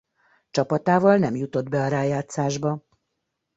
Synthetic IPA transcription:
t͡ʃɒpɒt̪aːvɒlnɛmjut̪o̞d̪bɛɒɾaːjaːt̪saːʒbɒ

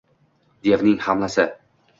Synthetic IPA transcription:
d̪e̞vnɪŋhamlasɪ

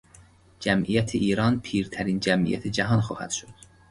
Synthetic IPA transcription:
d͡ʒæmʔijæt̪ʰeʔiːɾɒːnpʰiːɾt̪ʰæɾiːnd͡ʒæmʔḭjæ̰t̪ʰed͡ʒæɦɒnxɒ̰ːhæ̰d̪̥ʃod̪̥

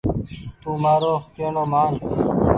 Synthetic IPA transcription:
t̪uːmaːɾoːkeːnoːmaːn

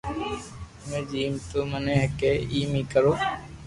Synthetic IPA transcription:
mẽːd͡ʒiːmt̪oməneɦkeiːmikəɾoː

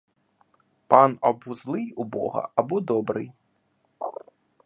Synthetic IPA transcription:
panabuzlˠɨjubɔ̰ɣɐ̰ʔabɔd̪ɔbɾɨj

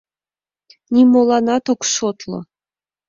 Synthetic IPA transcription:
nʲimolˠɑnɑt̪okʃot̪lˠɤ̰

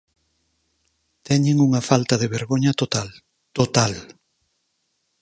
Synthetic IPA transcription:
t̪ɛɲɪŋuŋɐfalt̪ɐðeβeɾɣoɲɐt̪ot̪al | t̪ot̪al

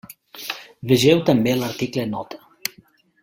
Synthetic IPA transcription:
βeʒɛwt̪ambelɐɾt̪iklenɔt̪ə̥

